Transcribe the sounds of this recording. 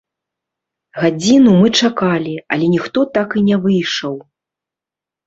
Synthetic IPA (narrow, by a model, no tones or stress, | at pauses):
ɣad͡zʲinumɨt͡ʂakalʲiɐ̰lʲɛnʲixt̪ɔt̪akinʲɛvɨjʂɐw